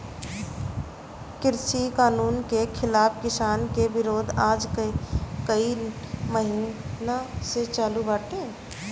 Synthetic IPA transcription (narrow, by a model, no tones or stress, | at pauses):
kɪɾsikaːnuːnkekʰɪlaːpkɪsaːnkebɪɾoːd̪ʱaːd͡ʒkkəiməɦinaset͡ʃaːlubaːʈeː